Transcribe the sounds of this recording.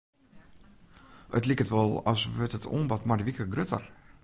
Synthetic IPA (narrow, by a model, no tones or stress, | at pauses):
ətlikətʋɔlˠɔ̰sʋətətʰo̰ːnbɔtmarʋikəɡrøtə̰r